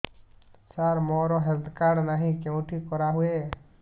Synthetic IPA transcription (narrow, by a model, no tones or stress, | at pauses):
saːɾmoːɾoːɦɛɾd̪kaːɽnaɦĩkẽʊʈʰikɔɾaɦueː